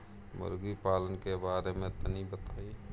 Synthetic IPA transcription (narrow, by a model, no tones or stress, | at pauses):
mə̰ɾɡipaːlənkebaːɾemẽt̪ənibət̪aːi